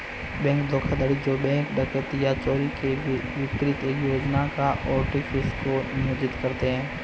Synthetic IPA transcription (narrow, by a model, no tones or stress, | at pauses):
bɛ̃ːŋkd̪ʱoːkʰad̪aːɽid͡ʒoːbɛ̃ːŋkɖəkət̪ijat͡ʃɔːɾikeʋʋɪkɾɪt̪ejoːd͡ʒnakaʔɔːɾʈɪfɪskonjoːd͡ʒɪt̪kɐɾt̪eɦɛ̃ː